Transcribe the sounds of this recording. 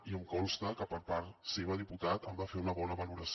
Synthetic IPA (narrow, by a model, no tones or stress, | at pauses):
iəmkɔlˠst̪əkəpəɾpaɾt̪seβəð̞iput̪at̪əmbafeunəβɔnəβəluɾəs